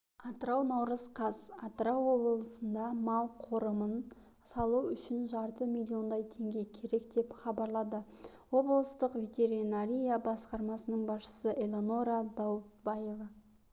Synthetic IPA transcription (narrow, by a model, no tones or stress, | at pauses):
ɑt̪əɾɑwnɑwɾəzqʰɑzɑt̪əɾɑwːo̞bləlˠəsənd̪ɑmɑlˠqʰo̞ɾəmən | sɑlˠuʏʃɪnʒɑɾt̪əmʲilʲːio̞nd̪ɑjt̪ʰe̞ŋɡʲe̞kʲʰe̞ɾe̞kd̪e̞pχɑbɑɾlˠɑd̪əwo̞blˠəst̪əqvʲe̞t̪ʲe̞ɾinaɾʲijabɑsqɑɾmɑsənəɴbɑsʃə̥səʔelʲˠo̞no̞ɾad̪ɑwbɑje̞vɑ